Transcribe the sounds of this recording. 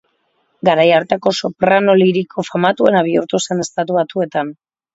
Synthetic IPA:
ɡaɾajaɾt̪eko̞sopɾano̞liɾikʰo̞famat̪ue̞naβ̞iuɾt̪use̞ne̞st̪at̪uβat̪ue̞t̪an

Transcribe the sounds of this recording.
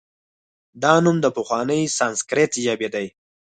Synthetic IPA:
d̪ɑnumd̪əpəxwɑnəjsɑnskɾet̪ʒabed̪aj

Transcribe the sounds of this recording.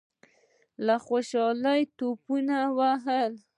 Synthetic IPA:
laxoʃɑləjt̪opunawaɦəl

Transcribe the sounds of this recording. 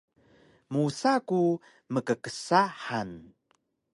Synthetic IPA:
musaku | məkəkəsaħan

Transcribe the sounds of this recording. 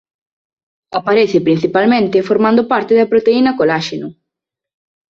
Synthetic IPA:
apaɾeθɪpɾin̟θipalmẽnt̪ɪfoɾmãnd̪opaɾt̪ɪðɐpɾot̪einɐkolaʃenʊ

